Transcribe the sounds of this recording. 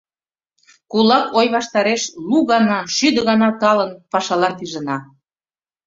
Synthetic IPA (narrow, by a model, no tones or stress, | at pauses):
kulɑkʰojβɑʃt̪ɑɾeʃluɣɑnɑʃyd̪əɣɑnɑt̪ɑlənpɑʃɑlɑnt̪iʒə̆nɑ